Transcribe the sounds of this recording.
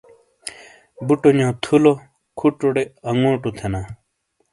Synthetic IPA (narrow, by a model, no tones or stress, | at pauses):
buʈoɲãːt̪ʰulo | kʰuʈoɽeɐŋõːʈut̪ʰena